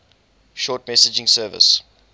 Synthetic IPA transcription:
ʃɔtmɛsɪd͡ʒɪ̃ŋsɜːvə̰s

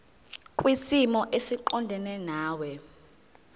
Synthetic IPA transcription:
kʼwisimɔʔesiǃɔndʱɛnɛnaːwɛ

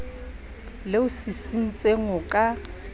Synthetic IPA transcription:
lɪʊsisin̩t͡sʼeŋʊkʼa

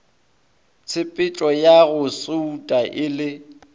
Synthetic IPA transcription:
t͡sʰɪpʼɪt͡ʃʼɔjaɣʊsoutʼaʔɪlɪ

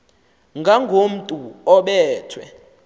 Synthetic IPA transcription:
ŋɡʱaŋɡʱom̩tʼuɔɓɛːtʰwɛ

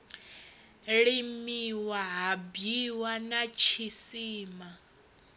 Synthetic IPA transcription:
ɺimiwaɦabiwanat͡ʃʰisiːma

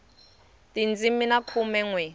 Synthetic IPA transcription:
tind͡ziminakʰumɛŋwɛ

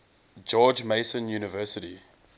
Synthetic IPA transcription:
d͡ʒɔːd͡ʒmeɪsə̃njuːnəvɜːˑsəti

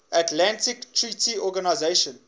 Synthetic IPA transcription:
atlãntɪktʰɹitʰiɔɡanaɪzeɪʃə̃n

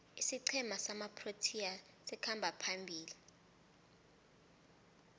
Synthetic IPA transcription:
isiǀʰɛmasamapʰrotʰia | sɛkʰambʱapʰambʱiːli

